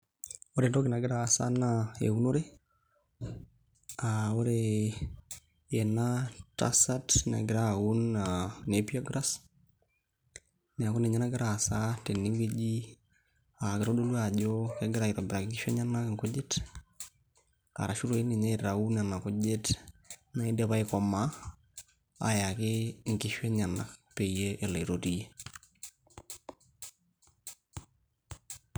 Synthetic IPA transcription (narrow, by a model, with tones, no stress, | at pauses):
oɾendo˦kɪ˨na˨ɡɪ˦ɾaː˨sa̰˦naḛ˨u˦no˦ɾe˦ | ao˦ɾe | je˨nata̰satna̰˨ɡɪɾaunanepi˦aɡɾa˦s | n˨a˨ko˦ne˨ɲa˦na˦ɡɪ˦ɾaː˨sate˨ni˦wed͡ʒi˦ | a˨ɡɪɾo˦ɗo˦lu˦aʄokɛ˦ɡɪɾa˨ɪ˨ɾɔ˨bɪɾa˨kɪ˦ŋɡɪ˦ʃɛ˦ɲa˦na˦kŋko˦d͡ʒɪ˦t | a̰˨ɾa˨ʃu˦ɾo˦i˦ne˨ɲɛ˦iɾa˨u˦n˨a˨na˨ko˦d͡ʒe˦tna˨i˦dɛ˨βa˦ɪ˦kɔ˨ma˦ | a̰˨ja˨kɪ˦ŋkɪ˦ʃwɛ˦ɲa˨na˨kpe˨ije˦ʔe˨la˨i˨ɾo˨ti˦je˦